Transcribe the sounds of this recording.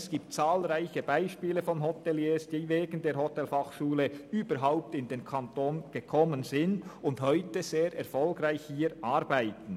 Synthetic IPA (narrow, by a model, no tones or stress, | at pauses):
sɡ̥iːp̚tt͡saːlʁaɪçəbaɪʃpiːləfɔnɦɔtɛljeːsd̥iːveːɡən̩deːɾhɔtɛlfɑχʃuːləyːb̥əɾɦaʊp̚tɪndeːnkʰɑntoːnɡ̥əkʰɔmənzɪndʊnthœʏtəz̥eːɾɛʁfɔlɡɾaɪçhiːɾʔaɾbaɪtən̩